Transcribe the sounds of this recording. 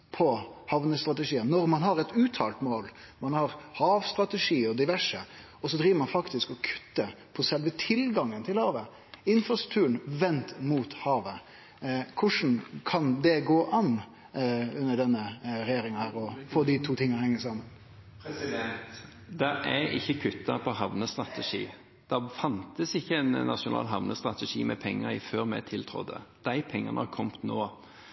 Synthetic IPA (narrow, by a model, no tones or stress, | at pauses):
pʰɔhɑʋnəst̪ɾʁɑt̪ɛʂiːənːɔɾmɑnhɑɾɛt̪ʉːt̪ʰɑ̰ːlt̪moːl | mɑnhɑɾhɑːʋst̪ɾɑt̪ɛʂiːɔd̪ɪʋæʂə | ɔsɔd̪ɾiːʋəɾmɑnfɑkt̪ɪskɔkʰʉ̥t̪ːəpʰɔsɛlʋət̪ʰɪlɡɑŋːənt̪ʰɪlhɑːʋə | ɪnfɾɑst̪ɾʉ̥k̚t̪ʰʉːəɳ̩ʋɛnt̪muːt̪hɑːʋə | kʰʊʂn̩kʰɑnd̪ɛɡoːʔɑn | ʉnːəɖɛnːəɾɛjeːɾɪŋhæːɾɔfoːd̪ɪt̪ʰuːt̪ʰɪŋːɑhɛŋːəsɑmən | d̪ɛʔæɪçːəkʰʉt̪ːɑpʰɔɦɑʋnəst̪ʁɑt̪ʰɛʂiː | d̪̥ɛfɑnt̪əsɪçːəɛnnɑ̰ʂʊnɑ̰ːlɦɑʋnəst̪ʁɑt̪əʂiːmɛpʰɛŋːəɾɪføːɾmɛ̰t̪ʰɪlt̪ʰɾɔ̰d̪ːə̰d̪̥æɪpʰɛŋːənəhɑkʰɔmt̪noː